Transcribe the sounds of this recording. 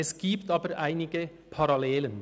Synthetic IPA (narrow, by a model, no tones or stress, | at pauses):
ɛsɡiːpt̪ɑːbəɾæɪnɪɡə | pʰɑɾɑleːlən